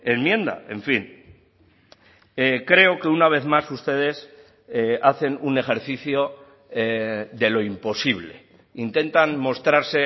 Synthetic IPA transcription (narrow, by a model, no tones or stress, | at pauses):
enmjẽ̞nd̪a̰e̞ɱfin | ekɾe̞o̞ke̞unaβ̞e̞ðmasust̪e̞ð̞e̞s | eaθe̞nune̞xe̞ɾθiθjo̞ | eðe̞lo̞impo̞siβle̞ | int̪e̞nt̪anmo̞st̪ɾaɾse̞